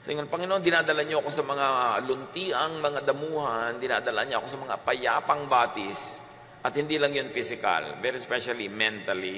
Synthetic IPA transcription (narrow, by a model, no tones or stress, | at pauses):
sɪŋonpɐŋɪnoʔond̪ɪnaːd̪ɐlaɲoɐko̞sɐmɐŋalʊnt̪iːʔɐŋmɐŋad̪ɐmuːhɐnd̪ɪna̰ːd̪ɐla̰ʔaɲaʔɐko̞sɐmɐŋa̰pɐja̰ːpɐŋbaːt̪ɪs | ʔɐt̪̚hɪnd̪iːlɐŋjonfisɪkɐ̰lvɛɾispɛʃɐlimɛnt̪ɐli